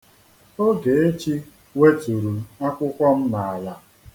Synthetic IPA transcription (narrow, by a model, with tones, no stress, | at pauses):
o˦ɡe˨e˦t͡ʃi˦ | we˦tu˨ɾu˨a˦kʷʊ˦kʷɔ˦m̩˦na˨a˨la˦